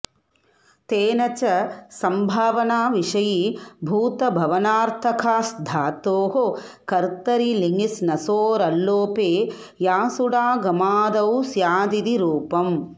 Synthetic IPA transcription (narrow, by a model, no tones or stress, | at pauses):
t̪eːnɐt͡ʃɐsɐmbʱaːʋɐnaːʋiʂɐjibʱuːt̪ɐbʱɐʋɐnaːɾt̪ʰɐkʰaːsd̪ʱaːt̪oːɦokɐɾt̪ɐɾiliŋisnɐsoːɾɐlːoːpeː | jaːsuɽaːɡɐmaːd̪ɐwsjaːd̪id̪iɾuːpɐm